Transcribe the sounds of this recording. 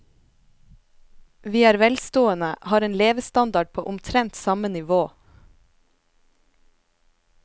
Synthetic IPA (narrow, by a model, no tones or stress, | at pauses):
ʋiːæːɾʋɛlst̪oːənəʔhɑːɾeːnleːʋəst̪ɑnd̪ɑɖ̚pʰoːʔʊmt̪ʰɾɛnt̪sɑmənɪʋoː